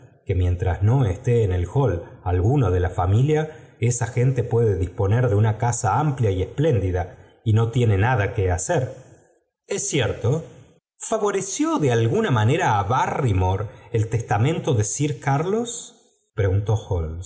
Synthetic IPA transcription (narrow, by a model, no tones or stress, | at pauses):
ke̞mjẽ̞nt̪ɾazno̞est̪eːne̞lxo̞lalɣunoðe̞lafamiljaesaxe̞nt̪e̞pwe̞ðeðispo̞neɾðe̞unakasaampljaiesple̞nd̪iða | ino̞t̪je̞ne̞nað̞akeaseɾ | esjeɾt̪o | faβo̞ɾesjoðealɣunamaneɾaːβarimoɾelt̪est̪amẽnt̪o̞ðesiɾkaɾlo̞s | pɾeɣunt̪o̞xols